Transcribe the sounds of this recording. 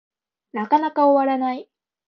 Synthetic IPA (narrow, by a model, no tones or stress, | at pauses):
nakanakaoβaɾanai